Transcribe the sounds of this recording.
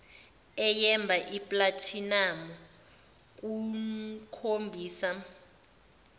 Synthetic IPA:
ɛjɛmbʱaʔipʼlatʰinamɔ | k̬ʼu | kʰombʱiːsa

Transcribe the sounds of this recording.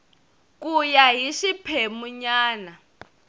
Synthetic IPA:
k̬ʼujaɦiʃipʰɛmuɲaːna

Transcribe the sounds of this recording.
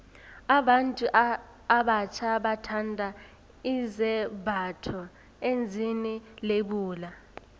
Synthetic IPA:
aɓantʼuʔ | aɓat͡ʃʰaɓatʰandʱa | izɛbʱatʰɔ | end͡zʱinileɓuːla

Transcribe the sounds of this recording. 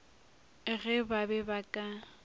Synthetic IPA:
ɣɛbabɛbakʼa

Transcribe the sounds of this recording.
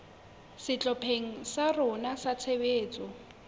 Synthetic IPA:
sɪt͡ɬʼɔpʰeŋ̩sarʊnasat͡sʰebeːt͡sʼɔ

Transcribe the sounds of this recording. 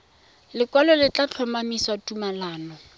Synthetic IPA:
lɪkwalɔlɪt͡ɬʼat͡ɬʰɔmamisatʼumalaːnɔ

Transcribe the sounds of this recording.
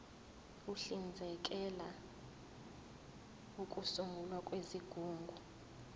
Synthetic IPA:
uɬind͡zʱɛk̬ʼɛla | ukʼusuŋɡʱulwakʼweziɡ̥ʱuːŋɡʱu

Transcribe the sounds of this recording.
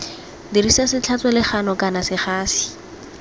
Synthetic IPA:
dirisasɪt͡ɬʰat͡sɔlɪχanɔkanasɪχaːsi̥

